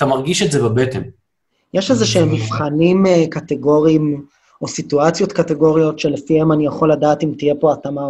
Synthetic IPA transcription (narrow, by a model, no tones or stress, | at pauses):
t̪amaʁɡiʃetzebabetḛm | jeʃezeʃeemːivχanimkateɡo̞ʁiːm | o̞situat͡sjo̞tkateɡo̞ʁijo̞tʃe̞lefihemanijaχo̞lːadaːtimtije̞po̞atama